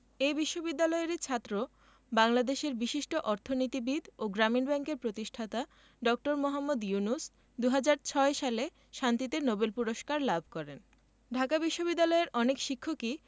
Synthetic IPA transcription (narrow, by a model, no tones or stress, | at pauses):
ejbiʃːobid̪ːalɔeɾit͡ɕʰat̪ːɾo | baŋlad̪eʃeɾbiʃiʃʈoʔɔɾt̪ʰonit̪ibid̪oɡɾaminbɛŋkeɾpɾot̪iʃʈʰat̪a | ɖɔk̚ʈoɾmoɦamːod̪junus | d̪uɦad͡ʑaɾt͡ɕʰɔeʃale | ʃant̪it̪enobelpuɾoʃkaɾlabʱkɔɾen | ɖʱakabiʃːobid̪ːalɔeɾʔɔnekʃikʰːoki